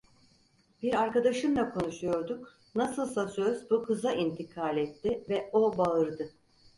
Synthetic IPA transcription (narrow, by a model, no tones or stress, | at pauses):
biɾaɾkad̪aʃɯmd̪ˠakʰo̞nuʃujo̞ɾd̪uk | nasɯlˠsasøzbukʰɯzaʔint̪ʰikʰaːlʲɛt̪ːɪvɛo̞baɯɾd̪ɯ